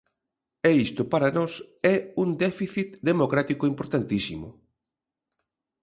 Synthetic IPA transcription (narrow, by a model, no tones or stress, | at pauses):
eist̪ʊpaɾɐnɔsɛund̪ɛfiθit̪d̪emokɾat̪ikoimpoɾt̪ant̪isimʊ̰